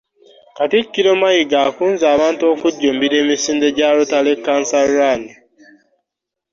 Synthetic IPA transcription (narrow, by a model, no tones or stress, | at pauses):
katikːiɾomajiɡaːkuːnzaːβaːnto̞ːkuɟːombiɾe̞ːmisiːndeɟaːlotalekːaːnsarani